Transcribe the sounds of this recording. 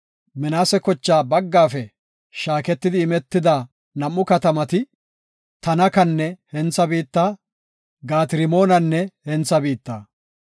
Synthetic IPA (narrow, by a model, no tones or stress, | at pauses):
mɛnaːsɛkɔt͡ʃːaːbɐɡːaːfɛ | ʃaːkɛt̪ːɪd̪ɪːmɛt̪ːɪd̪aː | nɐmːʊkɐt̪ɐmɐt̪ɪ | t̪ɐnɐkɐnːɛhɛnt͡sːɐbiːt̪ːaː | ɡaːt̪ɪɾɪmo̞ːnɐnːɛhɛnt͡sːɐbiːt̪ːaː